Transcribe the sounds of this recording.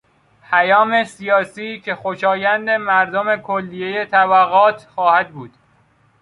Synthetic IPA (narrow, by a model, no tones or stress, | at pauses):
pʰæjɒːme̞sijɒːsiːcʰe̞xoʃɒːjænd̪emæɾd̪o̞me̞kʰolːije̞je̞t̪ʰæbæɣɒːt̪ʰxɒːhæd̪buːd̪̥